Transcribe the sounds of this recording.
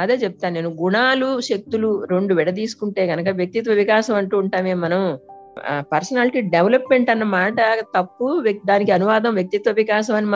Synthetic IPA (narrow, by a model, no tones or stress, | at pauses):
ɐd̪e̞ːt͡ʃɛp̚t̪aːnneːnuɡuɳaːluʃek̚t̪uluɾe̞ɳɖuʋɛɽɐt̪̬iːsu̥kuɳʈe̞ːɡɐnɐkɐʋjɐk̚t̪it̪ʋɐʋikaːʃɐmɐɳʈuːɳʈaːmeːmːɐnɐm | pɐɾsɐnaːliʈiːɖeʋɐlɐpme̞ɳʈɐnːɐmaːʈɐt̪ɐpːud̪aːnikiɐnuʋaːd̪ɐmʋjɐk̚t̪it̪ʋɐʋikaːʃɐmɐnːimɐ